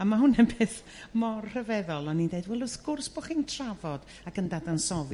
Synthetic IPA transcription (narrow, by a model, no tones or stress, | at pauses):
amahʊnɛbeːθ | mɔrr̥əvɛðɔlˠanːindeɨdwɛlˠʊsɡʊrsb̥ɔχintʰravɔd̥ | akʰəndadansɔv